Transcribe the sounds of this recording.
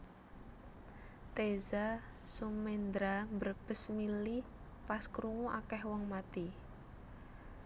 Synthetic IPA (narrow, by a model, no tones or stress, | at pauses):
t̪ezasumend̪ɾambərb̥əsmili | paskɾuŋuʔakɛhwɔŋmat̪i